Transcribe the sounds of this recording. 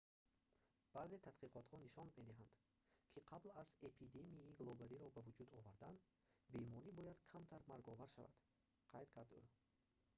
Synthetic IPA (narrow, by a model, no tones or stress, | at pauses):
b̥aːze̞t̪ʰat̪qiqʰɔt̪hɔniʃɔnme̞d̪iɦand̪̥ | kʰiqʰablazepʰid̪emiiɡlˠɔbæɾiɾɔbævud͡ʒud̪ɔvaɾd̪an | be̞mɔɾibɔjad̪kʰamt̪ʰaɾmaɾɡɔvaɾʃa̰va̰d̪̥ | qʰajd̪kʰaɾd̪ṵ